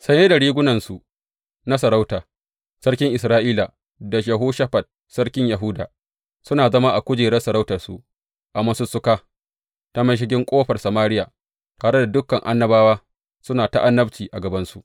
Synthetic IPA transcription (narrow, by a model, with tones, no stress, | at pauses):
sɐ˦jeː˦da˨ɽiː˦ɡʷʊ˦nɐ˨nsu˨ʔ | na˦s̬ɐ˨ɾa˦wtaː˨ | sɐ˦rkʲɪ˦ŋʔɪ˨s̬ɾaː˦ʔiː˦la˨ | da˨ʃ̬a˨ɦoː˦ʃa˦ɸɐ˨t̚ | sɐ˦rkʲɪ˦ɲjɐ˨ɦʊ˦daː˨ | sʊ˦naː˨zɐ˦ma˦ʔa˨kʷʊ˦d͡ʒeː˨ɾɐ˦sɐ˨ɾa˦wtɐ˨rsṵ˨ʔ | ʔa˨mɐ˦sʊ˦sʊ˦kaː˦ | ta˦mɐ˦ʃ̬ɪ˦ɡʲɪ˦ŋkʷʼoː˦ɸɐ˨rsɐ˨maː˦ɾɪ˦jaː˨ | taː˨ɽe˦da˨dʊ˦kːɐ˨ŋʔa̰˦nːɐ˦baː˦waː˦ | sʊ˦naː˨ta˦ʔa˦nːɐ˦ɸt͡ʃiː˨ʔa˨ɡɐ˨bɐ˦nsu˦ʔ